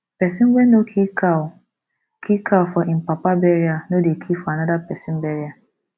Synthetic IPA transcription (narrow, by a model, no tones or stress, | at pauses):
pɛsĩnwɛnokʰika | kʰikʰaʊfɔʔĩm̩papabɛɾianodekʰifɔanadapɛsĩn̩bɛɾia